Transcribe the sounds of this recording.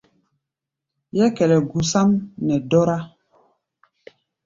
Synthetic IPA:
jɛ˦kɛ˨lɛ˨ɡu˨sa˦mnɛ˨dɔ˦ɾa˦

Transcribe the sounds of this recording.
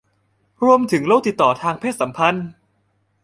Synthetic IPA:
ɾu˧əmt̪ʰɯ˩˦ŋloː˧˥˩t̪i˨˩t̪ːɔː˨˩t̪ʰaː˧ŋpʰeː˥˩t̪̚sa˩˦mpʰa˧n

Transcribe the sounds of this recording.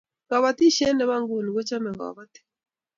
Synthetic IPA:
ɣa˨βa˨ti˦ʃɛ˦nɛ˨βa˦ŋɡu˨ni˨ɡɔ˦t͡ʃa˦mɛ˨ɣa̰˨βa˦ti̥˦

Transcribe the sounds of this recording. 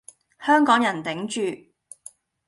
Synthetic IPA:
hœː˥ŋkɔː˨˥ŋjɐ˨˩nt̪ɪ˨˥ŋt͡ʃyː˨

